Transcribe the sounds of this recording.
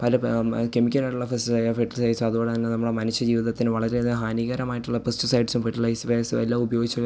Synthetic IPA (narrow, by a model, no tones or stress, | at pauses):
pɐlɐkemikʲːɐnaːjʈuɭːɐfesʈsɐjfeʈːɐlsɐjsuɐðuboːɽet̪inːenɐmːuɽemɐnɐɕːɐd͡ʑiːʋiðɐt̪ːinɨʋɐɭɐɾeɦaːniɣɐɾɐmaːjiʈːuɭːɐpestɨsɐjɖsumfeʈːɐlɐjspeːsɨḛlːaːubɐjo̞ːɡit͡ɕːɐ